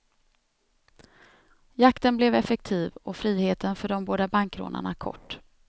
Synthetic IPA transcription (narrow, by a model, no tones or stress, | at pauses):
jakt̪ənblɛvɛfɛk̚t̪ʰiːvɔfɾiːheːt̪ənfœɖɔmboːd̪abaŋkɾo̰ːnʔa̰ɳakʰɔ̰ʈː